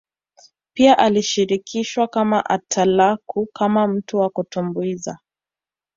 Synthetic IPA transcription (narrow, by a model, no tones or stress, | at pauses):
piaʔaliʃiɾikʰiʃwakamaʔatʰalakʰukamam̩tuwakutumbuiza̰